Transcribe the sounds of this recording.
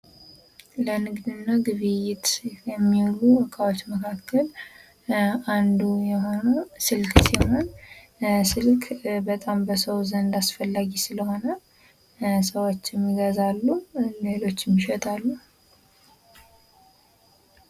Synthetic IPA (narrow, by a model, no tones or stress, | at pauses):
lənɨɡd̪ɨnːaɡɨβɨjɪt̪jɛmːiwluɔkʰʼawot͡ʃːməkʰakʰːəl | ʔand̪ujɛɦo̞nəsɨlkʰʼsiho̞n | sɨlkʰbət̪ʼambəsəwzənd̪asfəlːaɡisɨləho̞nə | səwo̞t͡ʃːjɛmːiɡəzalːule̞lo̞t͡ʃːɛmːiʃɛt̪ʼalːu